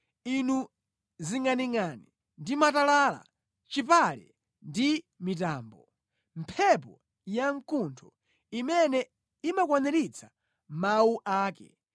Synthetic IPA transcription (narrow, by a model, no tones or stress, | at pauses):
inu | ziŋaniŋani | ndimatalala̰ | t͡ʃipalɛ̰ | ndi | mit̬aːmbɔ | m̩pʰɛpɔ | jaŋkuntʰɔ | imɛnɛ | imakwanɛɾit͡sʰḁ | mauʔaːkɛ̰